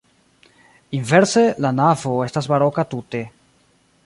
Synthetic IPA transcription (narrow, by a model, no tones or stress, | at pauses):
inve̞ɾse̞lanavo̞e̞stasbaɾo̞katute̞